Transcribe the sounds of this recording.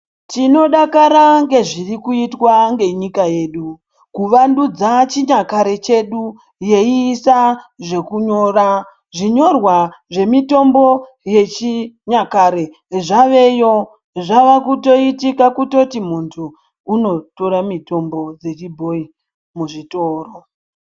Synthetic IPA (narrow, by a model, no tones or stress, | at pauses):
tino̞ɗakaɾaŋɡe̞ʐirikuitwaŋɡe̞ɲikaje̞ːɗu | kuʋandud͡zat͡ʃiɲakaɾe̞t͡ʃe̞ɗu | je̞iːsaʐe̞kuɲo̞ːra | ʐiɲo̞rwaʐe̞mito̞mbo̞ | je̞t͡ʃiɲakaɾe̞ | ʐaʋe̞jo̞ | ʐaʋakuto̞itikakuto̞timuntʰuː | no̞to̞ɾamito̞mbo̞d͡ze̞t͡ʃibʱo̞i | muʐitoːro